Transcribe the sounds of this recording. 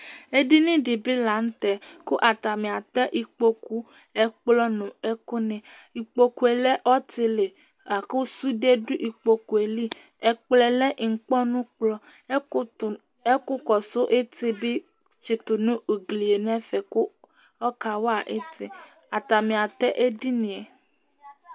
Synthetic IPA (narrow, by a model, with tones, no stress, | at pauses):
e˦di˦nĩ˦di˨bi˦la˨n̩˦t̪ɛ˨kʊ˦ʔa˨t̪a˨mĩ˨a˨t̪ɛ˦ʔi˨k͡po˦ku˦ | ɛ˦k͡plɔ˦nʊ̃˨ɛ˦kʊ˦nɛ̃˨ | i˨k͡po˦ku˨e˨lɛ˦ʔɔ˦t̪i˨le˨ | a˨ku˦su˦de˦du˦ʔi˨k͡po˨ku˨e˨li˦ | ɛ˨k͡plɛ˨lɛ˦ʔŋ̩˨k͡pɔ˦nũ˦k͡plɔ˦˨ | e˦kʊ˦kɔ˨sʊ˦ʔe˦te˦bi˦ | t͡ʃe˨t̪ʊ˨nũ˦o˨ɡli˨e˨nɛ̃˦fɛ˨ku˦ | ɔ˦ka˨wa˦˨ʔe˦t̪i˦ | a˨t̪a˨mĩ˨a˨t̪ɛ˦ʔe˦di˦nĩ˨ɛ˨